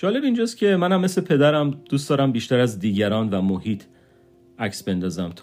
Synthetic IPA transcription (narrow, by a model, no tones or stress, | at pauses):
d͡ʒɒːle̞bind͡ʒost̪kcʰe̞mænæmːeslepʰe̞d̪æɾæmd̪̥uːsd̪ɒːɾæmbiːʃt̪æɾæzd̪iːɟæɾɒːnvæmohiːt̪ʰ | æcsbe̞nd̪ɒːzæmt̪ʰ